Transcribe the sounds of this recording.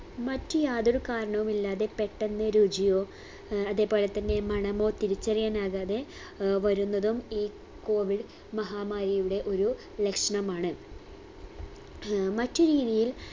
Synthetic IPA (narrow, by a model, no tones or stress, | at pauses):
mɐtːujaːðoɾukaːɾɐɳɐʋumilːaːðe̞pe̞ʈːenːɨɾuːd͡ʑijo̞ː | ɐðe̞ːpo̞ːlet̪ːɐnːe̞mɐɳɐmo̞ːt̪iɾit͡ɕːɐrijaːnaːɣaːðe̞ | ʋɐɾunːɐðumiː | ko̞ːʋiɽ | mɐɦaːmaːɾijuɽe̞ʔo̞ɾu | lekʂɐɳɐmaːɳɨ | mɐtːuɾiːðijil